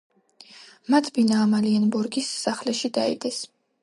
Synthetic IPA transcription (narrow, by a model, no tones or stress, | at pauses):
mat̪ʰbinaːmalianbɔɾɡisːaχlɛʃid̪aḭd̪ɛs